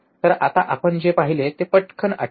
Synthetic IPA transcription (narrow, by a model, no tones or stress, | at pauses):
t̪əɾat̪aʔapəɳd͡ʑepaɦilet̪epəʈkʰəɳa̰